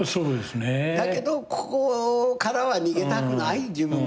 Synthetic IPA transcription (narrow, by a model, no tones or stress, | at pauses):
soɾod̪esɨned̪ake̞d̪o̞kʰo̥kokaɾaβaɲʲiɡe̞t̪akɯ̟naid͡ʑɨbɯ̟̃